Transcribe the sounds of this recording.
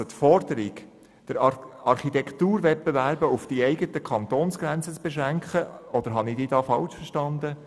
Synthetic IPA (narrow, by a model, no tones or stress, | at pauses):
ot̪fɔɾd̪əɾiɡ | d̥əɾɑɾχit̪ɛkʰt̪uːɾʋɛt̚pevæɾbəufd̥iɛɪɡət̪əkʰɑnt̪oːnsɡ̥ɾænt͡sət͡sb̥eʃʁæŋkχəɔd̥̪əɾɦɑnidiːd̪ɑːfɑlt͡ʃfəʃtɑnd̪ə